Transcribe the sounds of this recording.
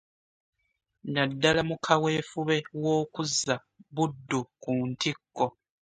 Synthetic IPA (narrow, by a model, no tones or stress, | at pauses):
nadːalamukʰawe̞ːfuβe̞wo̞ːkuzːa | βudːukuntikːo